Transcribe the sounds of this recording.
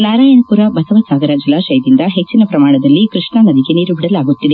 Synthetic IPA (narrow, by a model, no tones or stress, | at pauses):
naːɾaːjɐɳɐpuɾɐbɐsɐʋɐsaːɡɐɾɐd͡ʒilaːʃɐjd̪ind̪ɐɦet͡ʃːinɐpɾɐmaːɳɐd̪ɐlːikɾɨʂɳɐnɐd̪iɡeniːɾubiɽɐlaːɡut̪ːid̪e